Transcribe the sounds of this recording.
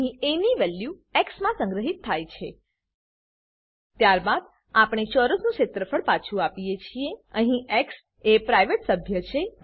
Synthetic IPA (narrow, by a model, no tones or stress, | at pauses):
ɦĩeniʋɛljueksmãsə̃ŋɡɾəɦit̪ʰːajt͡ʃʰe | t̪jaɾbad̪ | apɽ̃et͡ʃɔɾəsnũʃet̪ɾəfʰəɽpat͡ʃʰuapijet͡ʃʰieəɦĩʔeks | epɾajʋeʈsəbʱjət͡ʃʰe